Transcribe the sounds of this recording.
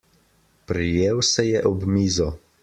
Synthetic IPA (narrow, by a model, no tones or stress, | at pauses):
pɾijeːwsɛjɛʔɔbmiːzɔ